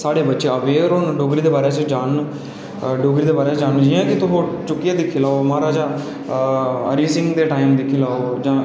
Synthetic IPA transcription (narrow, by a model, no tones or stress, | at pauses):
saːɽeːbətːʃeːəʋeːɾonɖoːɡɾiːd̪eːbaːɾeːsõd͡ʒaːn | ɖoːɡɾiːd̪eːbaːɾeːd͡ʒaːnːd͡ʒiãːkɪt̪ʊɦoːt͡ʃʊkːɪjaːd̪ɪkʰːiːlaːoːmaːɾaːd͡ʒãː | ə̰ɾiːsɪŋɡd̪eːʈaːimd̪ɪkʰːiːlaːoːd͡ʒãː